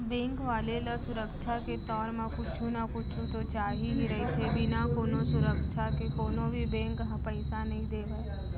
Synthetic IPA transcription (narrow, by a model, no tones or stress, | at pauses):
bẽːŋkʋaːlelɐsʊɾəkʃʰaket̪ɔːɾmãkʊt͡ʃʰũnakʊt͡ʃʰũt̪ot͡ʃaːɦiɦiɾɐɦet̪ʰebʱinakoːnosʊɾəkʃʰakekoːnõbʱibẽːŋkɦpɛɪsanɐɦĩd̪eːʋeː